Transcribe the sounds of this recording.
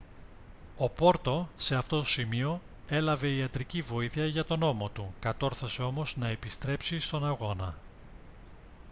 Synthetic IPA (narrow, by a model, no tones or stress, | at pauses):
o̞po̞ɾt̪o̞se̞ɐft̪o̞t̪o̥simio̞ | e̞lɐve̞iɐt̪ɾicivo̞iθiɐʝɐt̪o̞no̞mo̞t̪ukɐt̪o̞ɾθɐse̞o̞mo̞znɐe̞pist̪ɾe̞psist̪o̞nɐɣo̞nɐ